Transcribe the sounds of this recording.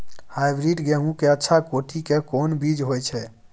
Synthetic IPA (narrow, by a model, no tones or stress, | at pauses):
hajbɾiɖɡeɦũkeətːʃʰakoʈʰikekonbʱid͡ʒɦojt͡ʃʰɛ